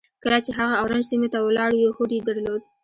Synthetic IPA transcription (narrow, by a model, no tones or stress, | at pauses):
kəlat͡ʃeɦaɣaːwɾand͡ʒsimot̪awlɑɽjexoʈed̪aɾlod̪̚